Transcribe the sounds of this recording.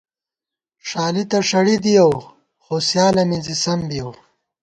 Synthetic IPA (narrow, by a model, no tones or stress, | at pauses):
ʂaːlit̪ɐʂɐɽid̪ijaw | xoːsjaːlɐmizisɐmbijow